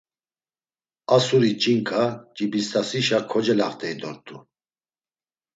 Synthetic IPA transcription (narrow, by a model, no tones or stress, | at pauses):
asuɾit͡ʃʼiŋkʰʼat͡ʃʼibist̪ʰʼasiʃakʰɔd͡ʒɛlaχt̪ʰʼɛid̪ɔɾt̪ʼu